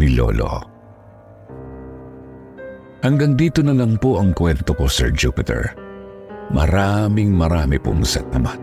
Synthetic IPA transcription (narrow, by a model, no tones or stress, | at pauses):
nɪlo̰lo̰ | hɐŋɡɐŋd̪iːt̪onɐlɐŋpoʔɐŋkwɛnt̪okosɛɹd͡ʒupɪt̪ɛ̰ɹ | mʔɐ̰ɾaːmɪŋmɐɾaːmɛpʊ̰msɐ̰t̪̚ʔɐma